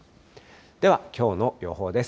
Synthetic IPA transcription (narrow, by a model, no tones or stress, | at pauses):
d̪̥e̞βakʲo̞ːno̞jo̞̰ɦo̞ːd̪e̞s